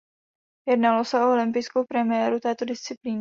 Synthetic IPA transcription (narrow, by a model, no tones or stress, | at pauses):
jɛdnalosɛʔoolɪmpɪjsko̞wpɾɛmɪjɛːɾut̪ɛːt̪o̞dɪst͡sɪpliːn